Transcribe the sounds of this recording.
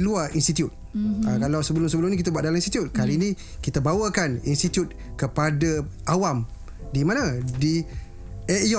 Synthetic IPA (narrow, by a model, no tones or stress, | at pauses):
luaʔinst̪it̪jut̪̚əkalawsəbəlʊmsəbəlʊmnikit̪abuaʔ̚dalaminst̪it̪jut̪̚kalinĩ | kit̪abawəkaninst̪it̪jut̪̚ | kəpadaʔawam | dimãnãdi | ɛʔjɔ